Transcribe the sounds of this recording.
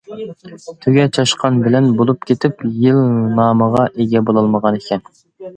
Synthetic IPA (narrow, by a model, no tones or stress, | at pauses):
t̪ʰøɡʲɛt͡ʃʰɑʃqʰɑnbɪlɛnbolˠup̚kʲʰet̪ʰɪpjilnɑːməʁɑʔeɡʲɛbolˠɑlˠməʁɑnekʲʰɛn